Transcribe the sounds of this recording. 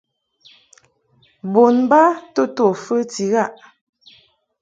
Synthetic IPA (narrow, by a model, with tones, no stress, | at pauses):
bo˨nba˦to˦to˨fə˦ti˨ɣa˦˨ʔ